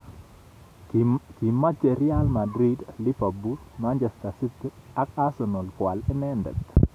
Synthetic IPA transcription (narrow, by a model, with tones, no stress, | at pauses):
ki˨ma˦t͡ʃe˨ɾjalma˨dɾidli˦fabusmand͡ʒɛst̪asi˦t̪i˦a˦kasɔno˨lkwa˨lɛ˦nɛndɛ̰˨t̪